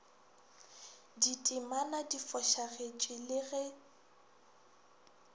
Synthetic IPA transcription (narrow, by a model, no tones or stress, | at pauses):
ditʼɪmanadifɔʃaɣet͡ʃʼɪlɪɣɛ